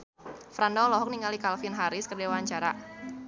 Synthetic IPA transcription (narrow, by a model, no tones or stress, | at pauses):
fɾandɔlɔɦɔk̚niŋɡalikalfinɦaɾɪskərdewaɲt͡ʃaɾa